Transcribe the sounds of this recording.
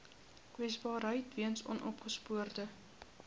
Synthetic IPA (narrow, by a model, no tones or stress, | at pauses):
kwɛsbɑːɾɦəjtviənsɔ̰nʔɔpχəspuərdə